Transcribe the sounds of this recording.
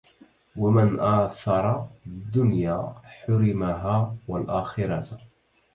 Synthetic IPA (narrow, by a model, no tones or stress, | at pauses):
wamɪnʔaːθɑɾˤɑd̪ːʊnjaːħʊɾɪmaɦaːwalʔaːxɪɾɑt̪